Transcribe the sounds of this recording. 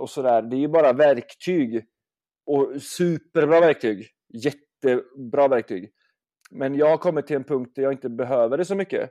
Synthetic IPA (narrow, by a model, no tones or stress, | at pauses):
ɔsɔd̪æːɾd̪ɛæjɵbɑːɾavæɾkt̪ʰyːɡ | ɔsʉːpəɾbɾɑːvæɾk̚t̪ʰyːɡ | jɛt̪ːəbɾɑːvæɾk̚t̪ʰy̰ːɡ | mɛnjɑːɡhaɾkʰɔmːɪt̪ʰːɪlɛnpʰɵŋkt̪̚d̪æɾjɑːɡɪnt̪əbɛɦøːvəɖɛsɔmʏkːə̰